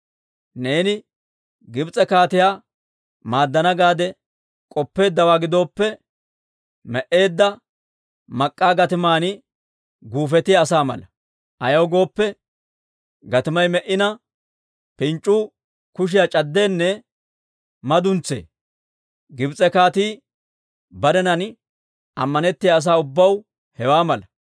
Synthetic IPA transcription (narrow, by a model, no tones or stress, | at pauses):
ne̞ːnɪ | ɡɪbt͡sʼɛkaːt̪ɪjaː | maːd̪ːɐnɐɡaːd̪ɛ | kʼɔpːe̞ːd̪ːɐwaːɡɪd̪o̞ːpːɛ | mɛʔe̞ːd̪ːɐ | mɐkʼːaːɡɐt̪ɪmaːnɪ | ɡuːfɛt̪ɪjːsaːmɐ̰lɐ | ʔɐjɐːɡo̞ːpːɛ | ɡɐt̪ɪmɐjmɛʔːɪnɐ | pɪnt͡ʃʼːuː | kʊʃ̬ɪjat͡ʃʼɐd̪ːe̞ːnːɛ | mɐd̪ʊnt͡sːe̞̰ː | ɡɪbt͡sʼːɛkaːt̪iː | bɐd̪ɛnɐn | ʔɐmːɐnɛt̪ːɪjaːs̬aːʊbːɐw | hɛwaːmɐlɐ